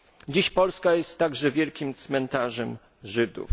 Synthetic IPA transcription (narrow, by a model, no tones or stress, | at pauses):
d͡ʑiɕpɔlskajɛst̪ːaɡʐɛvʲjɛlkʲimt̪smɛnt̪aʐɛm | ʐɘd̪ṵf